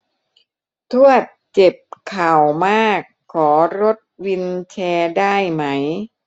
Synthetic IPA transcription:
t̪ʰu˥˩ɐt̪̚t͡ɕe˨˩p̚kʰa˨˩wmaː˥˩kʰːɔː˩˦ɾo˦˥t̪̚wi˧nt͡ɕʰɛː˧daː˥˩jma˦˥j

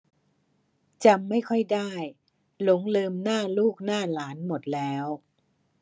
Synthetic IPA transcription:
t͡ɕaː˧a˥˩jkʰɔ˥˩jdaː˥˩j | lo˩˦ŋlɤː˧mnaː˥˩luː˥˩k̚naː˥˩laː˩˦nmo˨˩t̪̚lɛː˦˥w

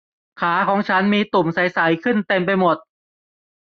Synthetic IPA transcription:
kʰaː˩˦kʰɔː˩˦ŋt͡ɕʰa˦˥nmiː˧t̪u˨˩msa˨˩˦jsa˩˦jkʰɯ˥˩nt̪e˧mp̬a˧jmo˨˩t̪̚

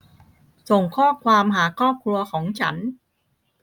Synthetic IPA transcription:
so˨˩ŋkʰɔː˥˩kʰwaː˧mɦaː˩˦kʰɾɔː˥˩p̚kʰɾu˧ɐkʰɔː˩˦ŋt͡ɕʰa˦˥n

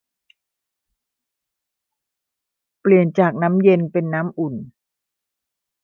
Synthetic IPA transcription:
pli˨˩ənt͡ɕaː˨˩k̚na˦˥mje˧npe˧nːaː˦˥mʔu˨˩n

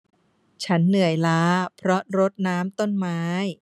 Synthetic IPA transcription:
t͡ɕʰa˦˥nːɯ˨˩əjlaː˦˥pʰɾɔ˦˥ʔ̚ɾo˦˥t̪̚naː˦˥mt̪o˥˩nmaː˦˥j

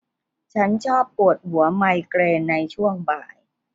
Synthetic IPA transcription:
t͡ɕʰa˦˥nt͡ɕʰɔː˥˩pːu˨˩ət̪̚hu˩˦ɐma˧jkɾeː˧nːa˧jt͡ɕʰu˥˩əŋbaː˨˩j

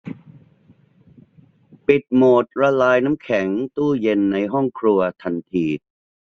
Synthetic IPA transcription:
pi˨˩t̪̚moː˨˩t̪̚ɾa˧laː˧jna˦˥mkʰɛ˩˦ŋt̪uː˥˩je˧nːa˧jɦɔ˥˩ŋkʰɾu˧ɐt̪ʰa˧nt̪ʰiː˧˩

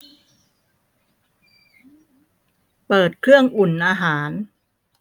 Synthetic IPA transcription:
pɤː˨˩t̪̚kʰɾɯ˥˩əŋʔu˨˩nʔaː˧ɦaː˩˦n

